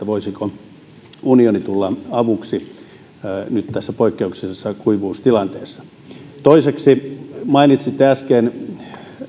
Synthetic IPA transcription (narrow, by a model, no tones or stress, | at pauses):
æʋoisiko | unionit̪ulːɑɑʋuksi | nyt̪t̪æsːæpoikːeuksesːɑkuiʋuːst̪ilɑnt̪eːsːɑ̥ | t̪oiseksimɑinit̪sit̪eæskeːn